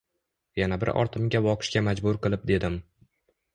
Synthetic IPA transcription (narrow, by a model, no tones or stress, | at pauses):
janabɪɾɒ̰ɾt̪ʰɪmɡʲabɒqʰɨ̥ʃkʲamad͡ʒbʊɾqɨlˠɪp̚d̪e̞d̪ɪm